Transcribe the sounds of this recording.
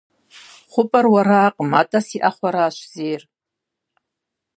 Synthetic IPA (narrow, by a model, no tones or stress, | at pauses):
χʷʊpʼarwaɾaːqʼmatʼasiʔaχʷaɾaːʃʷzejr